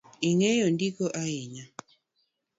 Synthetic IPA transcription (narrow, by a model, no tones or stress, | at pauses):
iŋejondikoʔaɪɲa